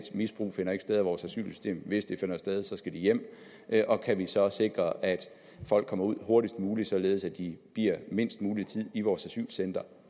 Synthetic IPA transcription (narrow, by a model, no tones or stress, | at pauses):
d̥misb̥ʁṵːfe̝nɐe̝ɡ̥sd̥eð̞ˠæʋɒːsæsy̰ːlsy̥sd̥e̝̰ːmʋe̝sd̥ife̝nɐsd̥eð̞ˠsɒ̽sɡ̥æd̥ijem̰ | ʔɒ̽kʰæʋisɒ̽se̝ɡ̥ʁɐʔæd̥ | fɒ̽l̰ɡ̥kʰːɒ̽mɐuð̞̰ˠho̝ɐɾisd̥muːli̥sɒ̽le̝ːð̞̩ˠsæd̥ib̥iɐ̰me̝n̰sd̥muːlit͡sʰið̰ˠiʋɒːsæsy̰ːlsend̥ɐ